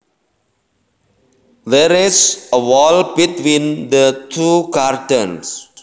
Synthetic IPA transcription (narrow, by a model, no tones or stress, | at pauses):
dɛɾisəwɔlbitwĩnd̪ətʰukaɾtə̃ns